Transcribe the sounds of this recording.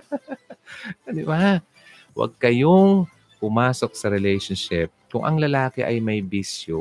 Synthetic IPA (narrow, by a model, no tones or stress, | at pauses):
d̪ɪba | wɐ̰ɡ̚kɐjoŋ | pʊmaːsok̚sɐɾɛlɛjʃonʃɪp̚kʊŋʔɐŋlɐlaːkɛʔɐjmɐjbisjo